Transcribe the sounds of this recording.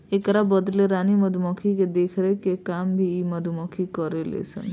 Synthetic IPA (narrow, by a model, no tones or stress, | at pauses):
ekəɾabəd̪leɾaniməd̪ʱumɔkʰiked̪ekʰɾekekambʱiiməd̪ʱumɔkʰikɔɾelḛsʰə̰n